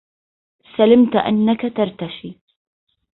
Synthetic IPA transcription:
salamt̪ʔa̰nːakat̪aɾˤt̪aʃiː

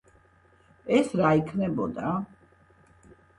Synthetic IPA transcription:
ɛsɾaikʰnɛbɔ̰d̪a

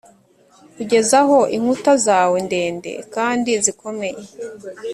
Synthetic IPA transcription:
kuɟe̞zaɦo̞ʔiŋ̥utazaːwende̞ːnde̞̰kaːndiziko̞me̞je

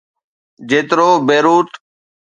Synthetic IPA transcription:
d͡ʒeːt̪ɾoːbeːɾuːt̪

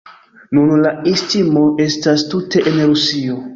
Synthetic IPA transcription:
nunlaistimo̞ʔe̞stastute̞ʔenɾusio̞

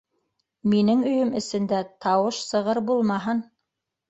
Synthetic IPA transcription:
minɘŋɵ̆jɵmɘ̆sɘ̆nd̪æt̪ʰɑwɤʃsɤ̆ʁɤɾbulˠmɑɦɤn

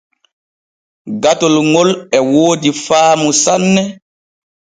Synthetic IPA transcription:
ɡatɔlŋɔlɛwoːdifaːmusanːɛ

